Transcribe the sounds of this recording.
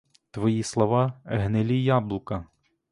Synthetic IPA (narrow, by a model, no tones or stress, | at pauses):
t̪ʋɔjislˠɔʋɑɦnelʲijablˠʊkɐ